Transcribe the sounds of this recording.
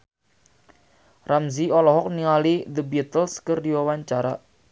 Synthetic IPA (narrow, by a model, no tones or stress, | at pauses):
ramziɔlɔɦɔk̚niŋalid̪əbɛt̪əlskərdiwawaɲt͡ʃaɾa̰